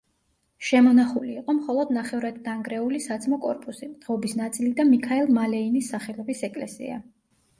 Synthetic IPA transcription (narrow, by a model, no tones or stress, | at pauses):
ʃɛmɔnaχuliːqʼɔmχɔlˠɔd̪naχɛvɾad̪d̪aŋɡɾɛulisat̪sʰmɔkʼɔ̰ɾpʼusimd̪̥ʁɔbisnat̪sʼilid̪amikʰaɛlˠmalɛinisːaχɛlɛbisɛkʼlɛ̰sḭa̰